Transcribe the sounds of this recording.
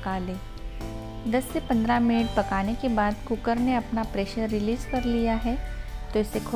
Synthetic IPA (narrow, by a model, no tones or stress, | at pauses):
kaːleː | d̪ɐsːepɐ̃nd̪ɾamɪnɪʈ̚pɐkaːnekebaːd̪kʊkəɾneɐpnapɾeːʃəɾːɪliːzkɐɾlijaɦɛt̪oɪsekʰ